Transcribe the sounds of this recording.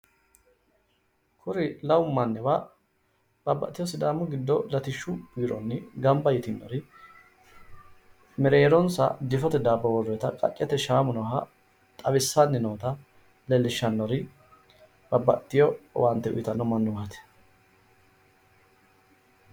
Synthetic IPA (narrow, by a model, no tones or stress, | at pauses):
kʰʊɾɪlɐwʊmːɐnːɛwa | b̥ɐbːɐ̰t̪ːɪjɔsɪd̪aːmːʊɡɪd̪ːɔlɐt̪ɪʃːʊb̥iːɾɔ̰nːɪɡɐmbɐjɪt̪ɪnːɔ̰ɾɪ | mɛɾeːɾɔnsɐ̰d̪ɪfɔt̪ɛd̪aːbːɐwɔrːɛt̪ɐkʼɐ̰kʼːɛt̪ɛʃaːmʊnɔɦɐ | t̪ʼɐbɪsːanːɛnoːt̪ɐ | lɛlːɪʃːɐnːɔɾɪ | b̥ɐbːɐt̪ːɪjɔ̰wʔant̪ːɛʔʊ̰jɪt̪ɐnːɔmɐnːʊwɐt̪ɛ̥